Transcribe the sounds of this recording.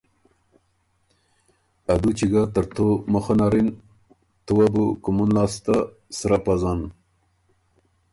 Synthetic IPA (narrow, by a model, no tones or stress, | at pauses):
ad̪ut͡ʃiɡat̪əɾt̪ʰoməxanɑɾin | t̪uwabukumunlɑst̪a | sɾapazɑn